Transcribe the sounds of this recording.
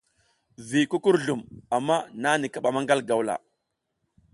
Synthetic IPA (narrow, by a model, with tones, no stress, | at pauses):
vi˨ku˦ku˦ɾɮu˨ma˨mːa˦na˦ni˨ka˨ɓa˨ma˦ŋɡa˦lɡa˨wla̰˨